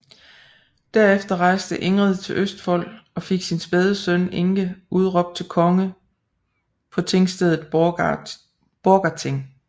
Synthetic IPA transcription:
d̥æɐefd̥ɐʁɑ̈ɪsd̥əʔe̝ŋʁið̞ˠt͡sʰe̝lʔøsd̥fɒ̽l̰ɒ̽fe̝ɡ̥sinsb̥eð̞ˠəsœneŋɡ̥əuð̞ˠʁɒ̽b̥̚d̥̚t͡sʰe̝lkʰɒ̽ŋə | pʰɒ̽t͡sʰe̝ŋsd̥eðˠð̩ˠ | b̥oːɡ̥ɑt͡sʰeŋ

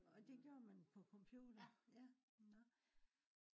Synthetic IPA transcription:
ɒ̽d̥e̝ɡ̥jo̝ːɐmænpʰɒ̽kʰɒ̽mpʰjuːd̥ɐjænɒ

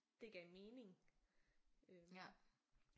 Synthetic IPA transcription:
d̥e̝ɡ̥ɛɪme̝ːne̝ŋ | ø

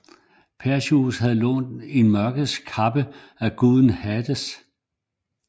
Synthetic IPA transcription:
pʰæɐɕusɦæð̩ˠlɔ̰ːnd̥e̝nmɶɐɡ̥ð̩ˠskʰɑ̈b̥ə | æɡ̥uðˠn̩hæd̥əs

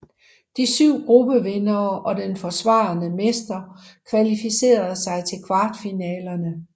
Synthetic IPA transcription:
d̥isyʊ̰ɡ̥ʁub̥əʋenɐːʔɒ̽d̥enfɒ̽sʋɑ̈ːnəmesd̥ɐkʰʋælifise̝̰ːɐð̞̩ˠsɑ̈ɪt͡sʰe̝lkʰʋɑ̈ːd̥finɛːlɐnə

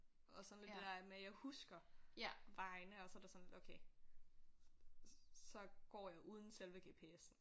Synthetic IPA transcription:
ʔɒ̽sɒnledd̥e̥æɐmejɑ̈ɪhusɡ̥ɐ | ʋɑ̈ɪnəɒ̽sɒɾ̥esɒnle̝d̥oʊkʰeɪ | sɒ̽ɡ̥ɒ̰ːjɑ̈ɪʔuːð̞ˠn̩selʋəɡ̥e̝ːpʰe̝esn̩

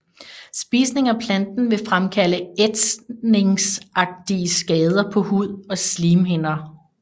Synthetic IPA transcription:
sb̥iːsne̝ŋæpʰlænd̥n̩ʋe̝fʁamkʰæləed̥sne̝ŋsʔɑ̈ɡ̥̚d̥iəsɡ̥ɛːð̞ˠɐpʰɒ̽huð̰ˠɒ̽sliːmɦe̝n̰ɐ

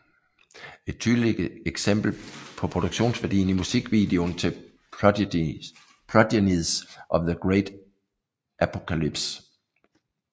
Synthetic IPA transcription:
e̝d̥̚t͡sʰyːðˠleɡ̥eɡ̥sem̰b̥l̩pʰɒ̽pʰʁo̝d̥uɡ̥ɕo̝̰ːnsʋæɐd̥ḭːn̩imusiɡ̥ʋiːd̥e̝ont͡sʰe | pʰlɒd̥eniðˠsʔɒ̽ʋðəɡ̥ʁeɪd̥ | ʔæpʰokʰælib̥s

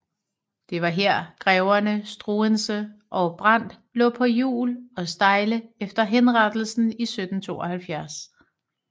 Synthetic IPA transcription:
d̥e̝ʋɑ̈ɦeɐ̰ɡ̥ʁɛʊɐnəsd̥ʁuːənsəʔɒ̽b̥ʁɑn̰d̥ | lɔ̰ːpʰɒ̽jṵːlɒ̽sd̥ɑ̈ɪləefd̥ɐɦenʁɑd̥l̩sn̩isød̥n̩t͡sʰo̝̰ːɐhælfjæɐs

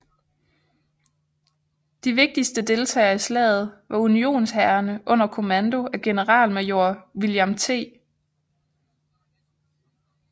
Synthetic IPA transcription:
d̥iʋe̝ɡ̥̚d̥isd̥əd̥e̝lt͡sʰɛ̰ːɪɐislɛ̰ːð̞̩ˠʋɑ̈unio̝̰ːnshæɐnəʔɔ̽n̰ɐkʰo̝mænd̥o̝ʔæɡ̥e̝nəʁɑ̈ːlmejo̝ɐ̰ʋiljɑmt͡sʰe̝̰ː

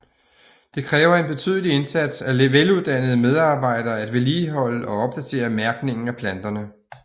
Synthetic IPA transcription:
d̥e̝kʰʁɛːʊɐe̝nb̥e̝t͡sʰy̰ːðˠlie̝nsæd̥sæʋeluð̞̩ˠd̥æn̰əð̞̩ˠəmeð̞ˠɑ̈ːb̥ɑ̈ɪ̰d̥ɐːæd̥ʋe̝liːɦɒ̽l̰əʔɒ̽ɒ̽b̥̚d̥æt͡sʰe̝̰ːɐmæɐɡ̥ne̝ŋn̩æpʰlænd̥ɐnə

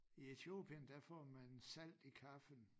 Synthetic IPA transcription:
ie̝t͡sʰio̝̰ːb̥iənd̥æfɒ̰ːmænsæl̰d̥ikʰɑfən

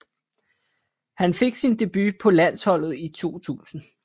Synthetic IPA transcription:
hænfe̝ɡ̥sind̥e̝b̥ypʰɒ̽læn̰shɒ̽l̰ð̞̩ˠit͡sʰo̝̰ːt͡sʰṵːsn̩

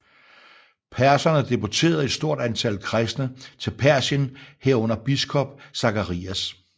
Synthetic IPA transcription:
pʰæɐsɐnəd̥e̝bot͡sʰe̝̰ːɐð̞̩ˠe̝d̥sd̥o̝ɐ̰ɾ̥ænt͡sʰæl̰kʰʁɛsd̥nət͡sʰe̝lpʰæɐɕənheɐ̰ɔ̽n̰ɐb̥isɡ̥ʰɒ̽b̥̚sɑ̈kɐʁḭːæs

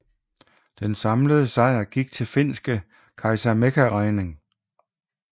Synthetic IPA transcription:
d̥ensɑ̈mləð̞ˠəsɑ̈ɪ̰ɐɡ̥iɡ̥̚t͡sʰe̝lfe̝n̰sɡ̥ə | kʰɑ̈ɪsæmekʰæʁɑɪne̝ŋ

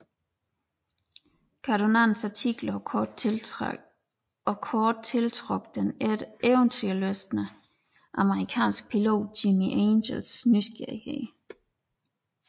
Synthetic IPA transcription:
kʰɑd̥onæn̩sɑt͡sʰiɡ̥lɐɒɔd̥ | ɒkʰɒːd̥̚t͡sʰe̝lt͡sʰʁoɡ̥d̥ened̥ʔeʊnt͡sʰyɐløsd̥nə | ʔɑ̈məʁikʰɛ̰ːnsɡ̥̚pʰilo̝̰ːd̥̚ːimiʔeːnɕelsnysɡ̥eɐ̰ihḛː

